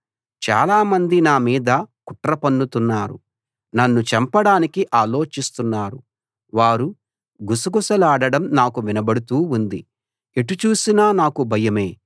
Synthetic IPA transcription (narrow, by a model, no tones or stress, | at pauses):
t͡ʃa̰ːlaːmɐnd̪inaːmiːd̪ɐkuʈɾɐpɐnːut̪unːaːɾṵ | nɐnːut͡ʃɐmpɐɽaːnikiʔaːlo̞ːt͡ʃist̪unːaːɾu | ʋaːɾu | ɡusɐɡusɐlaːɽɐɽɐmnaːkuʋinɐbɐɽut̪uːund̪ḭ | eʈːut͡ʃuːsinaːnaːkubʱɐjɐme̞ː